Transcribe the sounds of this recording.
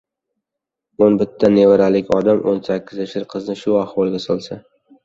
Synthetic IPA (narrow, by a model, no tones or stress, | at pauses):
onbɪt̪ʰːanevɪɾalɪkʲɒd̪amʔonsakʲʰːɪzeʃɪɾqʰɨznɪʃʊahwɒlˠɡʲasɒlˠsa